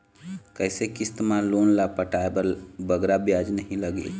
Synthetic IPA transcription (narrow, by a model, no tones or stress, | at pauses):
kəɪsekist̪mãlonlapəʈaebəɾbəɡɾabjad͡ʒnəɦĩləɡḛl